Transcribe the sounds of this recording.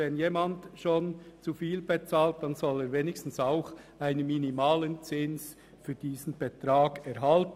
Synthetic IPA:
ɛnjeːmandʃoːnt͡sufiːlbet͡saːlt̚d̥anzɔleːɾveːnɪçstn̩saʊx | aɪnənminimaːlənt͡sɪns | fyːɾd̥iːsn̩b̥etɾaːɡɛɾɦalt

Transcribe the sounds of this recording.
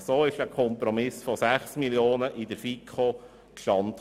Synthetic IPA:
soːɪʃəkʰɔmpɾomɪsfɔsæχsmiljoːnəʔɪd̪əɾfikʰo | kʰlɑnt̪

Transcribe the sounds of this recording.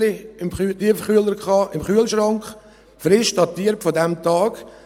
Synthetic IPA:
ɪɪmχtiəfχyələɾkχɑːʔɪmχyəlʃrɑŋkχ | fɾɪʃd̥ɑtiːəɾpfɔdɛmtɑːɡ

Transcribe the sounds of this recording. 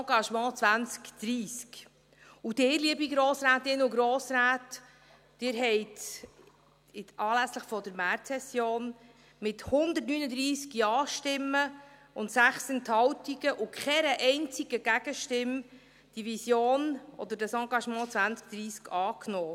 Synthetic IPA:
ɑɡɑʃmɑ̃ːt͡sʋænt͡skd̪̥ɾiːsk | ud̥̪ɪːɾliəbiɡɾoːsɾæːt̪ɪnːəʊɡɾɔːsɾæːtː | ɪːɾɦɛɪt | ɪɑːlæsləχfɔd̥əɾmæɾtsɛsjoːn | mɪthʊnd̪əɾtnyːnəd̪ɾiːskjɑːʃtɪmːə | ʊntsæχsənt̪hɑwtiɡəʔʊkʰɛnəʔɛɪnt͡siɡ̥əɡ̥æɡ̥əʃtɪm | d̥iʋisjoːnʔɔ̰d̪əɾdɑsɑ̃ːɡɑʃmɑ̃ːt͡sʋænt͡sk̚d̪̥ɾiːskʰɑːknɔː

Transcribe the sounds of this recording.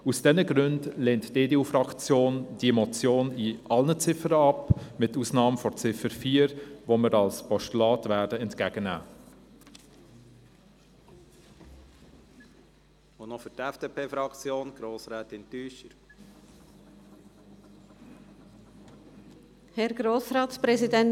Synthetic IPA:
usd̥ɛnəɡɾɵndleːntd̥eːdeːuːfɾɑkt͡sjoːnd̥imɔt͡sjoːniʔɑlnət͡sɪfəɾəɑpmɪtːusnɑːmfɔt͡sɪfəɾfiːəɾʋoməɾɑlspɔʃtlɑːtvæːɾdəɛntkæɡənæ̰ː | onɔfʏɾtɛfd̥eːpʰeːfɾɑkt͡sjoːnɡ̥ɾoːsɾɛːt̪ɛntyːʃəɾ | hɛɾɡ̥ɾoːsɾɑːtt͡spɾɛzidɛn

